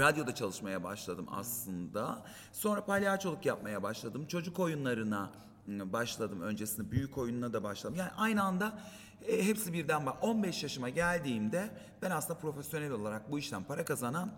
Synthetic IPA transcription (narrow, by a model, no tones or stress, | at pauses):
ɾad̪jo̞d̪at͡ʃʰalˠɯʃmajaba̰ʃlˠad̪ɯma̰slˠɯnd̪a | so̞nɾapalʲaːt͡ʃʰolˠukjap̚majabaʃlˠad̪ɯmt͡ʃʰo̞d͡ʒuko̞junlˠaɾɯna | baʃlˠad̪ɯmø̞nd͡ʒesind̪ɛbyjykʰo̞jununad̪abaʃlˠad̪ɯmjaːniʔajnɯand̪a | ɦɛpsibiɾd̪ænbao̞nbɛʃjaʃɯmaɟælʲd̪iːmd̪ɛ | b̥ænasɯnd̪apɾo̞fesjo̞nɛlʲo̞lˠaɾak̚buiʃt̪ænpʰaɾakazanan